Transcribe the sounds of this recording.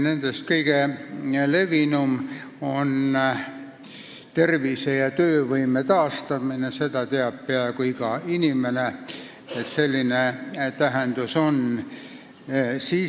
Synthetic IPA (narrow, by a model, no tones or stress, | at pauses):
ne̞nd̪̥est̪̚kɤiɡ̥ele̞vinum | o̞n | t̪e̞rʋisejɑt̪øːvɤjmet̪ɑːst̪ɑminese̞t̪ɑt̪eɑp̚peɑekuiɡɑinimene | et̪se̞lʲːinet̪æɦend̪̥uso̞n | siː